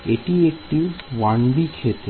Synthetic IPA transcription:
ḛʈiek̚ʈiʋaɳɖikʰet̪

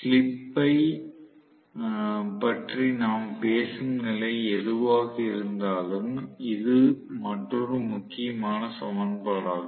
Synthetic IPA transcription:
slɪpːɐɪ | pɐʈrinaːmpeːsɯŋɡɐɭɐɪɛðɯʋaːɣɐɪɾɯnd̪aːlɯmɪðɯmɐʈːrɔrɯmʊkːɪjɐmaːnɐsɐmɐnbɐlaːɣɐ

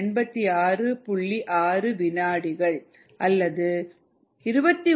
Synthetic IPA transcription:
ɳbɐt̪ːiaːrɯpʊɭːiʔaːrɯʋɪnaːɽɪɣɐɭ | ʔɐlːɐðɯ | ɪɾɯbɐt̪ːi

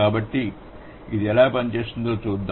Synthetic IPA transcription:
aːbɐʈːi | id̪iɛlaːpɐɲt͡ʃeːʂund̪oːt͡ʃuːd̪ː

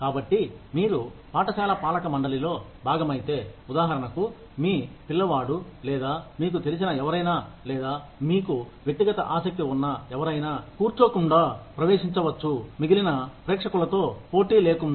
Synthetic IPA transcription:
kaːbɐʈːimiːɾupaːʈɐsaːlɐpaːlɐkɐmɐɳɖɐlilo̞ː | bʱaːɡɐmɐjit̪e̞ːud̪aːɦɐɾɐnɐku | miːpilːɐʋaːɽulɛːd̪aːmiːk̬ut̪e̞lis̬inɐɛʋɐɾɐjnaː | lɛːd̪aːmiːkuʋje̞k̚t̪iɡɐt̪ɐʔaːsɐk̚t̪iunːɐɛʋɐɾɐjnaːkuːɾt͡ʃoːkuɳɖaːpɾɐʋeːʂiɲt͡ʃɐʋɐt͡ʃːumiɡilinɐpɾeːkʂɐkulɐt̪o̞ːpo̞ːʈiːle̞ːkund̪

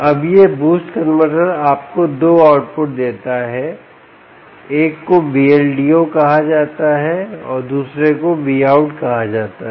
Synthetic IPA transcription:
ɐbjebuːsʈkənməʈəɾaːp̚kod̪oːaːʊʈpʊʈ̚d̪eːt̪aɦɛ | eːkːobielɖiokɐɦad͡ʒaːt̪aɦɛɔːɾd̪uːsɾekoʋiaːʊʈkɐɦad͡ʒaːt̪aɦ

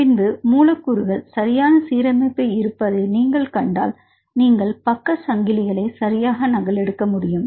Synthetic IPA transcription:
pɪnbɯmuːlɐkːuɾɯʋɐɭsɐɾɪjaːnɐsiːɾɐmɐɪpːɐɪɪɾɯpːɐðɯniːŋɡɐɭkɐɳɖa̰ːl | niːŋɡɐɭpɐkːɐsɐŋɡɪlɪɣɐɭɐɪsɐɾɪjaːɣɐnɐɣɐlɛɽɯkːɐmʊɽɪjɯm

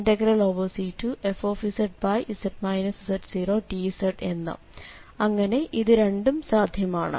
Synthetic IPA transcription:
ndɐɡɐɾɐloːʋɐlsiːtːuʔefo̞ːfisɐʈ̚bɐjʔisɐʈmɐjnɐssɐʈsiːro̞ːʈisɐʈe̞nːɨ̰ | ɐŋːɐne̞ʔiðɨɾe̞ɳɖumsaːd̪ʱjɐmaːɳɨ̰

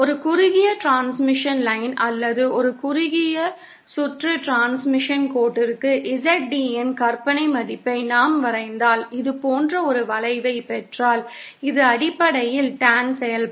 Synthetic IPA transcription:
ɔɾɯkʊɾʊɣɪjɐʈɾaːnsmɪʂɐnlɐɪnʔɐlːɐðɯɔɾɯkʊɾʊɣɪjɐ | sʊʈrɯʈɾaːnsmɪʂɐnkoːʈːɪɾɯkːɯʔɪsɛʈ̚ɖiɛnkɐɾpɐnɐɪmɐðɪpːɐɪnaːmʋɐɾɐɪnd̪aːlɪðɯpoːndrɐɔɾɯʋɐlɐɪʋɐɪpɛʈraːlɪðɯɐɽɪpːɐɽɐjɪlʈaːnsɛjɐl

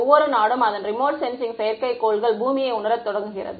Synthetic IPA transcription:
ʋːɔɾɯnaːɽɯmɐðɐnrɪmoːʈsɛnsɪŋsɛjɐɾkɐɪkːoːɭɣɐɭbuːmɪjɐɪʊnɐɾɐt̪ːɔɽɐŋɡɯɣɪrɐ̰ðɯ

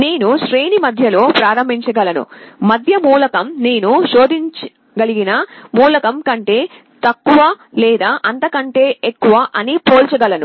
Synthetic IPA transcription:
ne̞ːnuʃɾeːnimɐd̪ʱjɐlo̞ːpɾaːɾɐmbʱiɲt͡ʃɐɡɐlɐnṵmɐd̪ʱjɐmuːlɐkɐmne̞ːnuʃo̞ːd̪iɲt͡ʃ | ɡɐliɡinɐmuːlɐkɐmkɐɳʈe̞ː | t̪ɐkːuʋɐ | lɛːd̪aːʔɐnt̪ɐkɐɳʈe̞ːekːuʋɐʔɐnipo̞ːlt͡ʃɐɡɐlɐnu

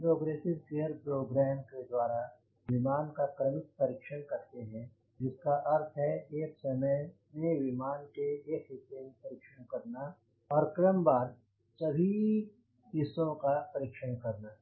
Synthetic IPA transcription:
pɾoːɡɾeːsɪbkeːəɾpɾoːɡɾɛːmked̪waːɾa | ʋɪmaːnkakɾəmɪk̪̚pɐɾiːkʃəñkɐɾt̪eɦɛ̃ | d͡ʒɪskaʔɐɾt̪ʰɦɛeːksɐməmẽʋɪmaːnkeekɦɪt̪ːemẽpɐɾiːkʃənkɐɾna | ɔːɾkɾəmbaːɾ | sɐbʱi | ɦɪsːõkapəɾiːkʃənkɐɾnaː

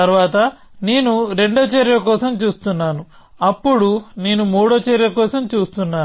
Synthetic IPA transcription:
t̪ɐɾʋaːt̪ɐ | ne̞ːnuɾe̞ɳɖɐːt͡ʃeɾjɐkɔːsɐmt͡ʃuːst̪unːaːnu | ɐpːuɽune̞ːnumuːɽoːt͡ʃeɾjɐkɔːsɐmt͡ʃuːst̪unːaː

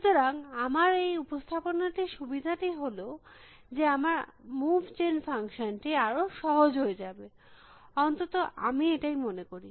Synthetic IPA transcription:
ʃut̪oɾaŋamaɾejupost̪ʰaponaʈiʃubid̪ʱaʈiɦolo | d͡ʑeamaɾmubʱt͡ɕenfaŋʃonʈiaɾoʃɔɦod͡ʑɦoed͡ʑabe | ɔnt̪ot̪oʔa̰mieʈajmonekoɾi

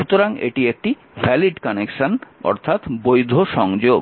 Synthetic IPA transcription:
ut̪oɾaŋḛʈiek̚ʈi | fɛliɖkɔnekʃanɔ̰ɾt̪ʰat̪bojd̪ʱoʃɔŋd͡ʑob

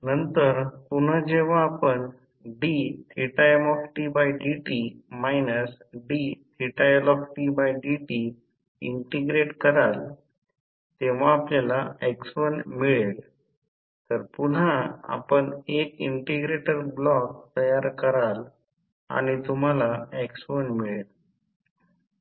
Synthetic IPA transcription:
nənt̪əɾpuɳ̤əd͡ʑeʋ̤ãːpəɳ | ɖit̪ʰɾiʈajmɔfʈibajɖiʈimajnəsɖit̪ʰiʈajlɔfʈibajɖiʈi | ḭɳʈeɡɾeʈkəɾal | t̪eʋ̤aːpljalaeksfənmiɭel | t̪əɾpuɳ̤aa̰pəɳekiɳʈeɡɾeʈəɾblɔk̚t̪əjaɾkəɾal | a̰ñit̪um̤alaeksfənmiɭel

